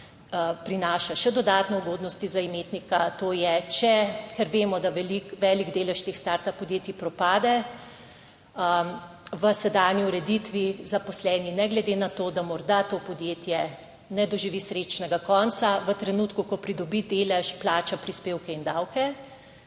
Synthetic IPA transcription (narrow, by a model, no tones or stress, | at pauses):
pɾinaːʃaʃɛd̪ɔd̪aːt̪nɛuɡoːd̪nɔst̪izaimeːt̪nikat̪oːjɛt͡ʃɛkɛɾʋeːmɔd̪aʋɛlikʋɛːliɡd̪eːlɛʃt̪exst̪aɾt̪apɔd̪jeːt̪ipɾɔpaːd̪ɛ | ə | ʋəsɛd̪aːniuɾɛd̪it̪ʋizapɔslɛːninɛɡlɛd̪enat̪oːd̪amɔɾd̪at̪oːpɔd̪jeːt̪jɛ | nɛd̪ɔʒiʋisɾeːt͡ʃnɛɡakɔnt̪saʋət̪ɾɛnuːt̪kukɔpɾid̪ɔbid̪eːlɛʃplaːt͡ʃapɾispeːwkɛind̪awkʰɛ